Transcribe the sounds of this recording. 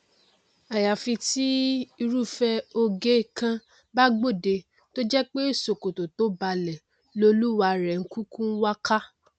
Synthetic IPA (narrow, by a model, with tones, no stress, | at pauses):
a˨ja˨fi˧ti˦i˧ɾu˦˨fɛ˧o˧ɡe˦i˦˨kã˧ | ba˦ɡ͡bo˦˨de˧ | to˦d͡ʒɛ˦k͡pe˦˨so˨ko˨to˨to˨˦ba˧lɛ˨ | lo˧lu˦wa˧ɾɛ˨ŋ̩˦kũ˦kũ˦wa˦ka˦